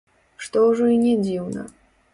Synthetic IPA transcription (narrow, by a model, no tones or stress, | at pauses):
ʂt̪ɔʐɔinʲɛd͡zʲiwnɐ̰